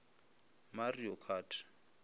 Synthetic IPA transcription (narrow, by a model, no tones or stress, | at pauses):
mariɔkʰaːtʰḁ